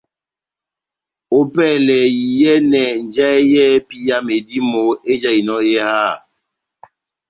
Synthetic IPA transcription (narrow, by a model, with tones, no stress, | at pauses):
o˦pɛː˦˨lɛ˨ji˨jɛ˦nɛ˨n˨d͡ʒɛ˦jɛ˦pi˦ja˦me˨di˦mo˨˦e˦d͡ʒa˦i˨nɔ˦e˦ha˦˨